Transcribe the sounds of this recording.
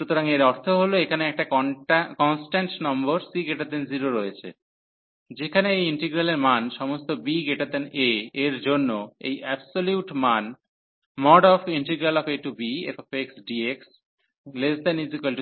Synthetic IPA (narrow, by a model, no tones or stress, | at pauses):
ut̪oɾaŋeɾɔɾt̪ʰoɦoloekʰaneɛk̚ʈakɔnsʈaɳʈnɔmboɾsiɡeʈaɾd̪enziɾoɾojet͡ɕʰḛ | d͡ʑekʰaneejiɳʈeɡɾaleɾmanʃɔmost̪obiɡeʈaɾd̪eneeɾd͡ʑonːoḛjʔɛbsoljuʈman | mɔɖɔfiɳʈeɡɾalɔfeʈubieɔfeksɖieks | lezd̪anizikalʈi